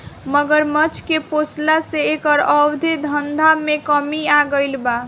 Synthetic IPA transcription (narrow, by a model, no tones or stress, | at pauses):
məɡəɾmət͡ʃʰkeposlaseːkəɾəwd̪ʱed̪ʱənd̪ʱamekəmiaɡəɪlba